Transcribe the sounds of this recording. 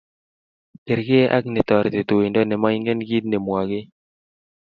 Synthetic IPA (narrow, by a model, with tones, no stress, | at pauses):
ke˨ɾɡɪ˦ʔa̰˦kne˨t̪ɔ˨ɾt̪e˨t̪o˨i˨ndɔ˦nɛ˨ma˦i˦ŋɡɛ˦nɡi˦t̪̚ne˨mwa˨ɡɪ˦